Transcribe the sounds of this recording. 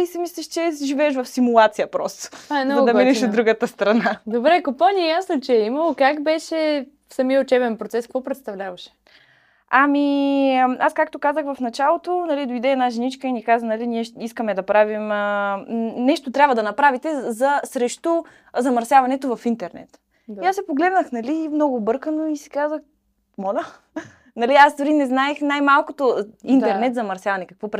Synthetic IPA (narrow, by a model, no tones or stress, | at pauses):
isimislʲɛʃt͡ʃɛʒivɛːʃ̬vɐfsimulˠat̪sijəpɾɔst̪o̥aɛnzɐd̪ɐminɛʃʃod̪ɾuɡət̪əst̪ɾɐnad̪obɾɛkopanʲiɛjasnot͡ʃɛimɐlˠokakbɛʃɛ | fsɐmiəʊt͡ʃɛbɛnpɾot̪sɛskvɔpɾɛt̪st̪ɐvlʲavɐʃɛ̥ | ami | askak̚t̪okazəxvɐfnɐt͡ʃalˠot̪onɐlid̪oid̪ɛːnaʒɛnit͡ʃkəinikazənɐliniɛiskəmɛd̪ɐpɾavim | nɛʃt̪ot̪ɾʲabvəd̪ɐnɐpɾavit̪ɛzɐsɾɛʃt̪o | zɐmɐɾsʲjavɐnɛt̪ovɐfint̪ɛɾnɛ̰t̪ | iasɛpoɡlɛd̪nəxnɐliːmnɔɡʊbɤɾkənoisi̥kazəx | mɔlʲə | nɐliasd̪ʊɾinɛznaɛxnajmalˠkot̪oint̪ɛɾnɛt̪zɐmɐɾsjavɐnɛkɐkvɔpɾ